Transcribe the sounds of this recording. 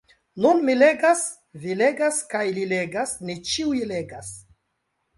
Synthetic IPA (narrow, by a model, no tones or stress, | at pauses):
nunmile̞ɡas | vileɡaskajlile̞ɡasnet͡ʃiujle̞ɡas